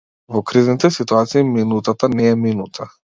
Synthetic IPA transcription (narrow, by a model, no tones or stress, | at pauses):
vɔkɾiznit̪ɛsit̪uat̪siːminut̪at̪anɛːminut̪ʰa